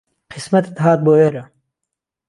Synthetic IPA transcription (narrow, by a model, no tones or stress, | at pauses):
qʰɪsmɐt̪et̪ɦaːt̪̚boeɾɐ